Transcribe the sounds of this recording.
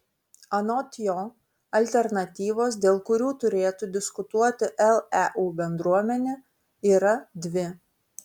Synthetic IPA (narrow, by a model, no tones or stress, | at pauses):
ɐnoːt̪ʲjo | ɐlʲt̪ʲɛɾnɐt̪ʲiːʋoːs̬d̪ʲeːlˠkʊɾʲuːt̪ʊɾʲeːt̪ʊd̪ʲɪskʊt̪uɔt̪ʲɪʔɛlˠɛʔuːbʲɛnd̪ɾuɔmʲɛnʲe | iːɾɐd̪ʲʋʲɪ